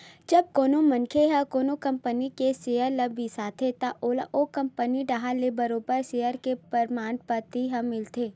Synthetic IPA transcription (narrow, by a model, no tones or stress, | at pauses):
d͡ʒɐb̚koːnomɐ̃nkʰeɦɐ̃koːnokɐ̃mpənikeseːjəɾlɐbisaːt̪ʰet̪aʔoːla̰ʔokɐ̃mpəniɖaɦalebɐɾoːbəɾsejəɾkepɐɾmaːnpət̪iɦɐ̃mɪlt̪eː